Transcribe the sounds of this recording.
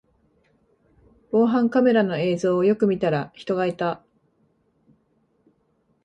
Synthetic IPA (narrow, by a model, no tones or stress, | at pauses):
b̥o̞ːɦãŋkame̞ɾano̞e̞ːzo̞ːjo̞kɯ̟mʲit̪aɾaçi̥t̪o̞ɡait̪a